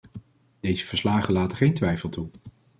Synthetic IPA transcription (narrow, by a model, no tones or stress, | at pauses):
d̥ejzəvəɹslaːχəlaːtəχejntʋɛjfəlˠtu